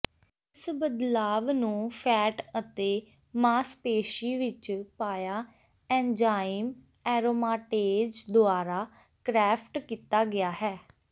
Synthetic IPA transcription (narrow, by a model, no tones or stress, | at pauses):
ɪsbəd̪laːʋnũːpʰɛːʈət̪eː | maːspeːʃiːʋɪt͡ʃpaːjaː | ɛ̃ːnd͡ʒaːɪm | ɛːɾoːmaːʈeːd͡ʒd̪oaːɾaː | kɾɛːpʰʈkiːt̪aːɡɪaːɦɛː